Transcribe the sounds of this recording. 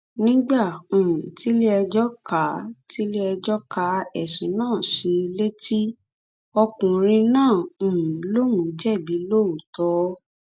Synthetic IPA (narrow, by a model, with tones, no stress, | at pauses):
nĩ˦ɡ͡bã˦˨ti˨˦le˦ɛ˧d͡ʒɔ˦ka˨˦ti˦le˦ɛ˧d͡ʒɔ˦ka˧˦ɛ˨sĩ˨˦nãː˦˨si˨˦˧le˦ti˦ | ɔ˧kũ˨ɾ̃ĩ˧nãː˦˨lo˦nũ˨˦d͡ʒɛ˦˨bi˨˦lo˦˨o˨tɔ˨˦